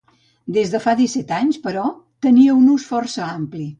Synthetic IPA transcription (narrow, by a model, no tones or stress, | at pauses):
d̪ezðəfaðisɛt̪aɲspəɾɔ | t̪əniəunusfɔrsəampli